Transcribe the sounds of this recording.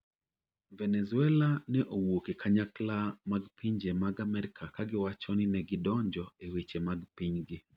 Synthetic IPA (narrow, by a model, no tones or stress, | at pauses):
vɛnɛzuɛlanɛʔowokekʰaɲaklamaɡpiɲd͡ʒemaɡamɛɾɪkʰakaɡɪwat͡ʃɔnɪnɛɡɪdɔɲd͡ʒɔewet͡ʃemaɡpiɲɡɪ